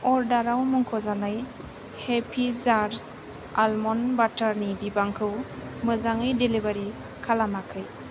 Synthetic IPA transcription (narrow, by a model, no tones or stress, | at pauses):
ɔɾdaɾawmuŋkʰɔzanɯj | hepʰizaɾs | a̰lmɔnbataɾnibibaŋkʰɯwmɯzaŋɯjdelibaɾi | kʰalamakʰɯj